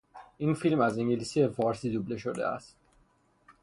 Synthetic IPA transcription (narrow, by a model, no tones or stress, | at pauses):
ʔinfilmæziŋɟelisijefɒːɾsiːd̪obleʃod̪ḛæ̰st̪